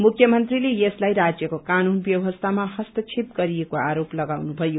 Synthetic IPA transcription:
mukʰjʌmʌnt̪rilejeslajɾad͡zjʌkokanunbjʌwʌst̪ʰamahʌst̪ʌt͡sʰipɡʌɾijekoaɾoplʌɡawnubʱʌjo

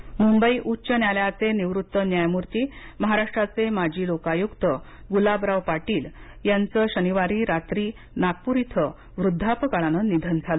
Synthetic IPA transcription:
mumbəiʔutːɕənjaljat͡seniʋɾut̪ːənjajmuɾt̪iːməɦaɾaʂʈɾat͡semad͡ʑʱiːlokajukt̪ə | ɡulabɾaʋpaʈiːl | jant͡səɕəniʋaɾiːɾat̪ɾiː | nak̚puɾit̪ʰə | ʋɾud̪ʱːapəkaɭanənid̪ʱənd͡zʱalə

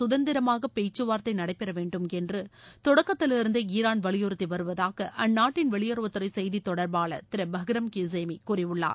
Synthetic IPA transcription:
sʊðɐnd̪ɪɾɐmaːɣɐpejt͡ʃːɯʋaːɾt̪ɐɪnɐɽɐɪpːɛɾɐʋeːɳɖɯmɛndrɯt̪ɔɽɐkːɐt̪ːɪlɪɾɯnd̪ɯiːɾaːnʋɐɭɪjoɾɯt̪ːiʋɐɾɯʋɐðaːɣɐʔɐnːaːʈːɪnʋɐɭɪjɐɾɯʋɐt̪ːɯɾɐɪsɛjðit̪ːɔɽɐɾbaːɭɐ̰t̪ɪɾɐbɐɦɡɪɾɐmkiseːmikuːrɪʋɯɭːa̰ːɾ

